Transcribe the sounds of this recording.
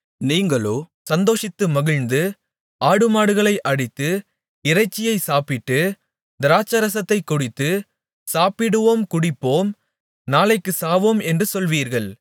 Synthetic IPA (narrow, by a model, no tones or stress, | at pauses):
niːŋɡɐɭoː | sɐnd̪oːʂɪt̪ːɯmɐɣɪɻnd̪ɯ | ʔaːɽɯmaːɽɯɣɐɭɐɪʔɐɽɪt̪ːɯ | ɪrɐɪt͡ʃːɪjɐɪsaːpɪʈ̪ːɯ | d̪ɪɾaːt͡ʃːɐɾɐsɐt̪ːɐɪkːʊɽɪt̪ːɯ | saːpɪɽɯʋoːmkʊɽɪpːoːm | naːlɐɪkːɯsaːʋoːmɛndrɯsɔlʋiːɾɣɐɭ